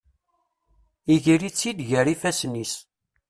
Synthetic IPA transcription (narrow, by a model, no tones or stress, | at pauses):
iʝiɾit͡sːid̪ʝəɾifæsnis